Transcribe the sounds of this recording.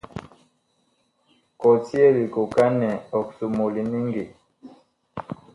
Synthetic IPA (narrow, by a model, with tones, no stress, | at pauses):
kɔ˨ti˦ɛ˦li˨ku˨ka˦nɛ˨ɔ˨ksu˨mu˨li˨ni˦ŋɡi˨